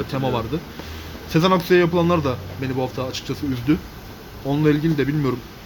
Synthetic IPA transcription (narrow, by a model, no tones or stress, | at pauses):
t̪ʰemavaɾd̪ɯ | sezanakʰsijajapʰɯlˠanlˠaɾd̪abenibuɦaft̪ʰaːt͡ʃʰɯ̥k̚t͡ʃʰasɯyzd̪y | onunˠailʲɟilʲid̪ɛbilʲmijo̞ɾum